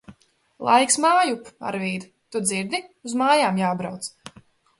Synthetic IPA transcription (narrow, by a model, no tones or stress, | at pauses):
lˠʔa̰jksmaːjupa̰ɾviːd̪ | t̪ud̪ziɾd̪iuzmaːjaːmjaːbɾawt̪s